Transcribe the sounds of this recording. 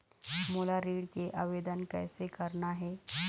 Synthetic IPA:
molaɾiːɽt͡ɕeʔəʋed̪ənkə̰jsekəɾɳaɦe

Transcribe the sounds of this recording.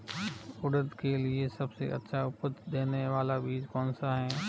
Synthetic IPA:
ʊɽəd̪keliesɐbsḛʔɐ̰tːʃʰaʊpət̪d̪eːneʋaːlabiːd͡ʒkɔːnsaɦɛː

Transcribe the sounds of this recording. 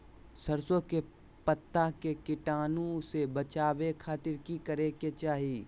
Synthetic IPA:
sɐɾsõke | pət̪ːakekɪʈaːnõsebət͡ʃaːwekʰaːt̪ɪɾkikɐɾeket͡ʃaːɦi

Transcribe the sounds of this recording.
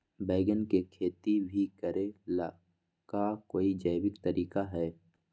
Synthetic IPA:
bɛːɪɡənkekʰeːt̪ibʱikəɾela | kakoːid͡ʒəjbɪkt̪əɾiːkaɦɛː

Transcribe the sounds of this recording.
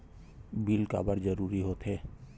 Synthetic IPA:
bilka̰ːbəɾd͡ʒəɾuɾiɦoːt̪ɦeː

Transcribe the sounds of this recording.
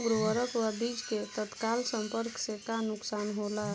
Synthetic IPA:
bɾwəɾəpwabid͡ʒket̪ət̪kaːlsə̃mpəɾksekanʊksaːnɦola

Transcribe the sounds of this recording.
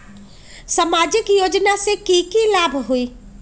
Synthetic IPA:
samaːd͡ʒɪkjoːd͡ʒnasekiːkilaːbʱɦuiː

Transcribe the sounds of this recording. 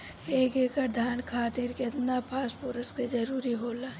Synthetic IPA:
eːkeːkəɾd̪ʱaːnkʰaːt̪iɾket̪napʰaːspoːɾəsked͡ʒɐɾuːɾiɦoːlaː

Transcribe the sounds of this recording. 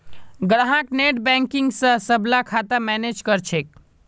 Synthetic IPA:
ɡɽaɦãkneʈbɛ̃ŋkiŋɡsə̃səblakʰat̪amɛned͡ʒkəɾt͡ʃʰek̚

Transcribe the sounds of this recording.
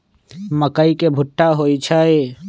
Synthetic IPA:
məkəikebʱʊʈːaɦoːit͡ʃʰae

